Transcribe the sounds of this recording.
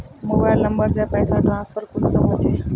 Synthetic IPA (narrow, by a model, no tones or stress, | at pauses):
mobajlnəmbəɾsapəjsaʈ̪ɾãnsfʰəɾkulsəmot͡ʃʰe